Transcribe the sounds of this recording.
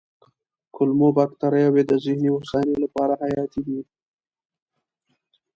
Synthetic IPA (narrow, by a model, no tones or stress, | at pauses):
kʊlmobɑkt̪aɾajawed̪əzɪhniʊsanelapɑɾahajɑt̪id̪i